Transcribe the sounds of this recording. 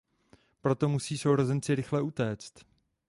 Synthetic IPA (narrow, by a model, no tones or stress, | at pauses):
pɾo̞t̪o̞musiːsowɾo̞zɛnt͡sɪɾɪxlɛʔut̪ɛːt͡st̪